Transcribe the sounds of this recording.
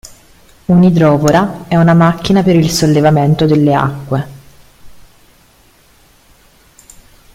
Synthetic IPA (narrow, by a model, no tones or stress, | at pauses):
unid̪ɾɔːpoɾaɛunamakːinapeɾilsolːevament̪od̪elːea̰kːwe